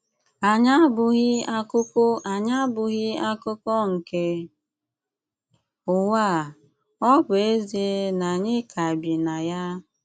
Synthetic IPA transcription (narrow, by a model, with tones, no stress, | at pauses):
a˨ɲa˦bʊ˨ɣɪ˦a˦kʊ˦kʊ˦a˨ɲa˦bʊ˨ɣɪ˦a˦kʊ˦kɔ˦ŋ̩˨ke˦ | ʊ˨wa˦˨ | ɔ˦bʊ˨e˦zi˨˦na˨ɲɪ˦kʰa˨bi˨na˨ja˦